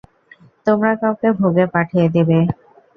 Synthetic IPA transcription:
t̪omɾakawkebʱoɡepaʈʰijed̪ebe

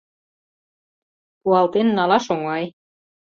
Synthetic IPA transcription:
kuɑlˠt̪enːɑlɑʃoŋɑj

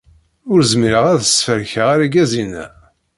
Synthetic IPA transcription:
ʊɾzmiɾəʁæðəsfəɾçəʁæɾæɡæzinæ̰

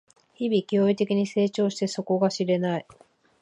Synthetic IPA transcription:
çibʲikʲoːit̪e̞kʲiɲ̟ise̞ːt͡ɕo̞ːɕi̥t̪e̞so̞ko̞ɡaɕiɾe̞nai

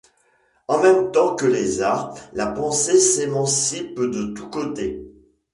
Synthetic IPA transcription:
ɑ̃mɛmt̪ɑ̃kəlezaʁlapɑ̃sesemɑ̃sipd̪ət̪ukot̪e

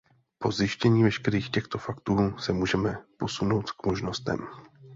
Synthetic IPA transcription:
po̞zjɪʃcɛɲiːvɛʃkɛɾiːxcɛxt̪o̞fakt̪uːsɛmuːʒɛmɛpo̞suno̞wt̪kmo̞ʒno̞st̪ɛ̰m

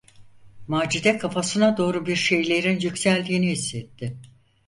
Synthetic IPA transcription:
maːd͡ʒid̪ɛkʰafasɯnad̪o̞ːɾubiɾʃe̞jlʲe̞ɾinjycsælʲd̪iːniɦisːɛt̪ːɪ

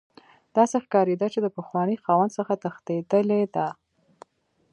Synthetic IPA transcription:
d̪̥ɑsexkɑɾed̪at͡ʃed̪əpəxwɑnəxɑwand̪səxat̪axt̪ed̪əled̪a

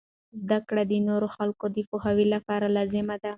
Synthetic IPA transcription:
zd̪akɽad̪ənoɾoxalkod̪əpohawilapɑɾalɑzɪmad̪a

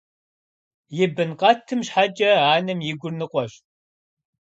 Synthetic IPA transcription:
jɪbɨnqʼɐtʰɨmɕħat͡ʃʼɐaːnɨmjɪɡʷʊrnɨqʷʼɔɕ

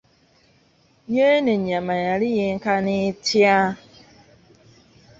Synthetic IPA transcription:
ɲeneɲamajaɾijɪŋ̩kanɪtja

